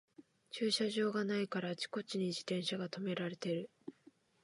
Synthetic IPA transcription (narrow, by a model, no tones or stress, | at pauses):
t͡ɕɨːɕaʑo̞ːɡanaikaɾat͡ɕi̥ko̞t͡ɕiɲ̟id͡ʑit̪ẽ̞ɰ̃ɕaɡat̪o̞me̞ɾaɾe̞t̪e̞ɾɯ̟